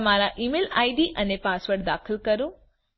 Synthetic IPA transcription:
maːɾaʔiːmeːla̰ːiɖiʔɐnepaːsʋəʈ̚d̪aːxʰɪlkɐɾũ

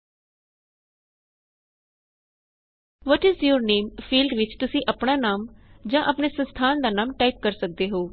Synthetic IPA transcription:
ʋɔːʈɪzjuːɾneːmpʰiːlɖʋɪt͡ʃt̪ʊsĩːʔəpɳaːnaːmd͡ʒãːʔəpneːsə̃nst̪ʰaːnd̪aːnaːmʈaːip̚kəɾsək̚d̪eːɦoː

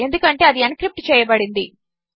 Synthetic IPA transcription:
e̞nd̪ukɐɳʈe̞ɐd̪iɐnkɾip̚ʈt͡ʃɛːjɐbɐɽind̪i

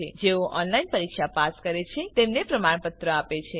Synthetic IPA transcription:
ed͡ʒeoɔnlainpəɾikʃapaskəɾet͡ʃʰet̪emnepɾəmaɳ̃pət̪ɾəapet͡ʃʰe

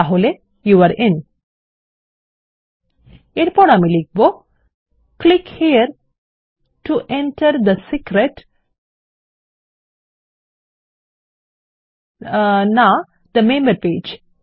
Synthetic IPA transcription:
aɦole | juʋaɾɪ̃n | eʈpɔɽamilik̚bo | klikhiəɾ | ʈuʔɛ̃nʈʰəɾd̪əsikɾeʈ | na | d̪̥əmẽːmbəɾpeːd͡ʒ

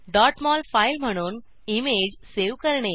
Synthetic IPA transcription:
ɖɔːʈmɔːlpʰaɪlmʱəɽ̃uːn | imeːd͡ʑseːʋkəɾɳ̃e

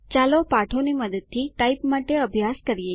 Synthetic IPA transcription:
t͡ʃalopaʈʰoniməd̪əd̪̚t̪ʰːiʈaipmaʈeəbʱjaskəɾije

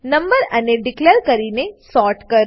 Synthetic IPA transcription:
nɐ̃mbəɾɐneɖɪkleːɾkɐɾinesɔːʈkɐɾ

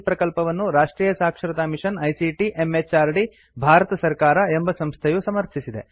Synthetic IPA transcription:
pɾɐkɐlpɐʋɐnːuɾaːʂʈɾiːjɐsaːkʂɐɾɐt̪aːmiʂɐnɐjsiʈiʔemet͡ʃaːɾɖi | bʱaːɾɐt̪ɐsɐɾkaːɾɐe̞mbɐsɐmst̪ʰejusɐmɐɾtʰisid̪e

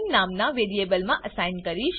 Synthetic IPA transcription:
nnamnaʋeɾiebəlmãʔəsajnkəɾiʃ

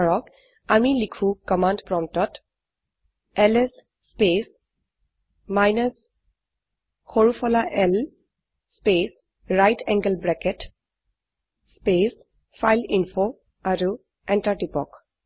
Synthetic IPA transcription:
ɹɔk | amilikʰũkɔmandpɹɔmtɔt | ɛlɛsː | pes | majnas | xoɹufʰɔlaʔɛl | spes | ɹajtʰɛŋɡəlbɹɛkɛt | spes | fʰajlinfʰo | aɹu | ɛntaʈipɔ̰k

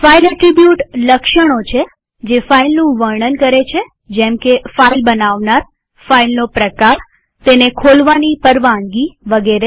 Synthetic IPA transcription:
fajɾəʈɾibjuʈləkʃəɽ̃ot͡ʃʰe | d͡ʒefailnũʋəɾɳənkəɾet͡ʃʰe | d͡ʒɛ̃mkefailbənaʋnaɾ | failnopɾəkaɾ | t̪enekʰolʋanipəɾʋãŋɡiʋəɡeɾe

